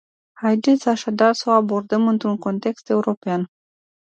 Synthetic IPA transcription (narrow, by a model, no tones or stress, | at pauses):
hajd̪e̞t̪sʲaʃad̪arso̞abo̞rd̪əmɨnt̪ɾuŋko̞nt̪e̞kst̪e̞uɾo̞pean